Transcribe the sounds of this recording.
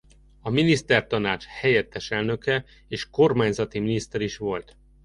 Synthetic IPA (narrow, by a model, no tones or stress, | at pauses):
ɒminist̪ɛrt̪ɒnaːt͡ʃhɛjɛt̪ːɛʃɛlnø̞kɛ | eːʃko̞rmaːɲzɒt̪iminist̪ɛɾiʃʋo̞lt̪